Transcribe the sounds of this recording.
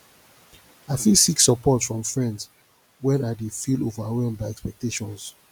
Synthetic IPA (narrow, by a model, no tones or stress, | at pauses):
aɪfĩsiksəpɔtsfɹɔ̃mfɹɛ̃nds | wɛ̃nadefildovaɹɛ̃nbaɛkspɛk̚teʃɔ̃ns